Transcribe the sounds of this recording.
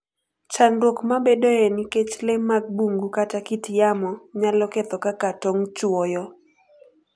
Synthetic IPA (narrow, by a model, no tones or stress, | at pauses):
t͡ʃandwokmabedoeniket͡ʃlemaɡ̚buŋɡukatakitjamɔɲalɔkɛt̪ɔkakatɔŋt͡ʃwɔjɔ